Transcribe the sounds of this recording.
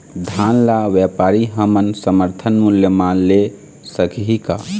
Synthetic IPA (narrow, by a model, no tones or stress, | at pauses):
d̪ʱanlaʋjɛpaɾiɦəmənsəməɾt̪ʰənmuljəmale | səkʰɦika